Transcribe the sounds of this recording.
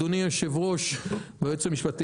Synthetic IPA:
unijoʃevʁo̞ʃbajot͡samiʃpat̪i

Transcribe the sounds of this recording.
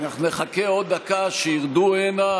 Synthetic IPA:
naχnuneχakeo̞d̪̚ːakaʃejiʁd̪uena

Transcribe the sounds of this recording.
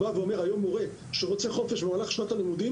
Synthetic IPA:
aveome̞ʁajo̞mːoʁe̞ | ʃeʁo̞t͡se̞χo̞fe̞ʃbemalaχʃnat̪alimud̪i

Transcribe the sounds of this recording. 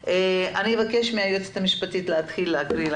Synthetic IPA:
ʔeanievake̞ʃmiajot͡se̥t̪amiʃpatitleat̪χilːeakɾil

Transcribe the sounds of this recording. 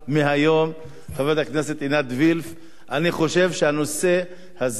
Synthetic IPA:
meɦajo̞m | χavet̪aknese̞t̪inat̪vilf | ʔaniχo̞ʃe̞vʃeano̞se̞ | haz

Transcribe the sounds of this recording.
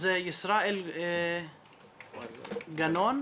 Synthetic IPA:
zjɪsɾˤɑːʔɪl | ɡanoːn

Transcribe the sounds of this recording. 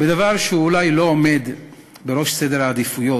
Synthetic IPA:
bed̪avaʁʃeuːlajlo̞ome̞d̪ | beɾo̞ʃsed̪eɾaːd̪ifujo̞

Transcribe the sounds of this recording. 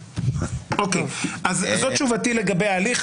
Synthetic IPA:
ʔokeʔazzott͡ʃuvatileɡabejaːliχ

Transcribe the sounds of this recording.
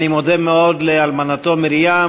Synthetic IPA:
nimod̪emeo̞d̪lealmanat̪o̞miɾija

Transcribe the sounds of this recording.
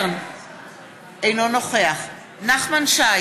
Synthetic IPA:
rn | ejnɔnɔχweaχ | naχmanʃa

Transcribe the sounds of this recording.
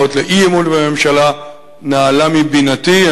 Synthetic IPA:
otleʔiemutveme̞mʃala | naːlamibinatia

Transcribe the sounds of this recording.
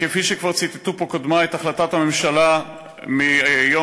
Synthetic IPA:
kefiʃekvaʁt͡sit̪e̥t̪upo̞kod̪maetaχlatathame̞mʃala | miajo

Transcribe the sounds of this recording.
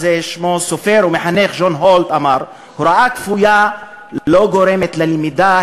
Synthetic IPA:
zeʃmosofeɾumeħaneχʒonɦolt̪amaɾ | huɾaʔakfuja | loɡoɾemet̪lalmid̪a

